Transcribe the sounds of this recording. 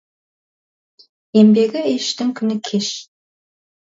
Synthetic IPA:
embeɡʲɪeʃt̪ɪŋkʲʰʏnɪkʲʰeʃ

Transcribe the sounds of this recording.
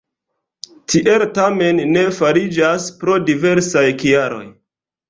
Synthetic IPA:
tʰiʔeltame̞nːe̞faɾid͡ʒaspɾo̞dive̞ɾsajkiaɾo̞̰j

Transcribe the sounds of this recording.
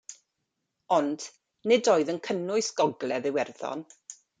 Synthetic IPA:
ɔnd̥ | nɪdoːɨðənkʰənʊɨsɡ̥ɔɡlˠɛðɪwɛrθɔ̰n

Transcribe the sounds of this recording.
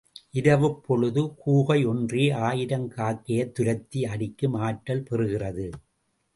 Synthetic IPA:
ʔɪɾɐʋɯpːɔɭɯðɯkuːɣɐɪɔndriːaːjɪɾɐŋkaːkːɪjɐt̪ːʊɾɐt̪ːiɐɽɪkːɯmaːʈːɐlpɛrɯɣɪrɐðɯ

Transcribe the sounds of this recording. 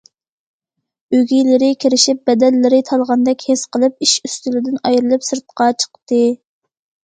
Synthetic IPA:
øɡʲijlɪɾɪkʲʰiɾɪʃɪp̚bɛd̪ɛlːɪɾɪt̪ʰɑlˠʁɑnd̪ɛkʲhesqəlˠɨp̚iʃyst̪ylɪd̪ɪnɑjɾɨlˠɨpsɨɾt̪̚qɑt͡ʃʰə̥qt̪ɨ

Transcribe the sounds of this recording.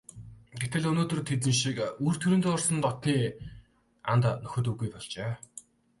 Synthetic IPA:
ɡet̪ɘ̆ɮɵnoːt̪ɵ̆rt̪ʰet̪̬ɘ̆nʃikur̥t̪ʰuɾɘ̆nt̪ːɔrsə̆nt̪ɔt̪niː | a̰nt̪nɵxɵ̆t̪ɵ̆ɣujpɔɮt͡ɕeː

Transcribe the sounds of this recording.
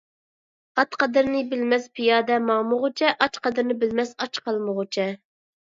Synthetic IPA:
ɑt̪qɑd̪ɨɾnɪbɪlmɛspʰɪjɑːd̪ɛmɑːmʊʁʊt͡ʃʰɛʔɑt͡ʃqɑd̪ɨɾnɪbɪlmɛsɑt͡ʃqʰɑlˠməʁʊt͡ʃʰɛ

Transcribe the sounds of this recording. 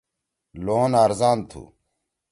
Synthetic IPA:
loːnaːɾzaːnt̪ʰṵ

